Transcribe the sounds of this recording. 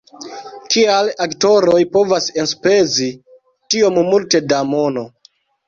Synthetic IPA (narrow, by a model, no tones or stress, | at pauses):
kialakto̞ɾo̞jpo̞vasenspe̞zi | tio̞mmulte̞damo̞no̞